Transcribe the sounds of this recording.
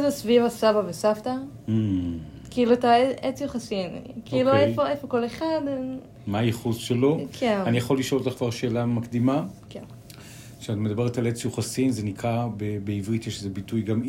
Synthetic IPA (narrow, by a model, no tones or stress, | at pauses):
zesvivasavavesafta | kiiluataeet͡sjuχasin̰kiiluefoefokoleχad̪ | maːjiχuzʃelo̞kʰenanijaχolːiʃolot̪aχkvaʁʃe̞ːlamakdimaken | ʃeatme̞d̪abe̞ʁetalet͡sjuχasinzenikʁabebeivʁitjeʃezebitujɡam